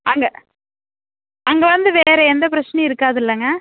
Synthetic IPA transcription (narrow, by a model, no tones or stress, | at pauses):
ɐŋɡɐ | ɐŋɡɐʋɐnd̪ɯʋeːɾɛɛnd̪ɐp̬ɪɾɐt͡ʃːnɛɪɾɯkːaːðɯɪlːɐŋɡɐ